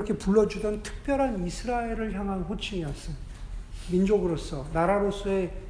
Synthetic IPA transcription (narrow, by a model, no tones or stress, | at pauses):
iʌkʰepuɭːʌd͡ʑudʌntʰɯ̥k̚p͈jʌɾɦanisʰɯɾaeɾɯɭçjaŋɦanɸot͡ɕʰiŋiʌs͈ɯnmind͡ʑoɡɯɾos͈ʰʌnaɾaɾos͈ʰue̞